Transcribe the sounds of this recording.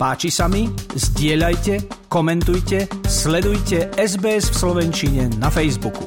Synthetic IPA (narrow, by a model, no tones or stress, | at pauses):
paːt͡ʃisamizɟɪɛʎajcɛkɔmɛnt̪ujcɛslɛd̪ujcɛɛzbɛːɛzfslɔʋɛnt͡ʃiɲɛnafɛjzbukṵ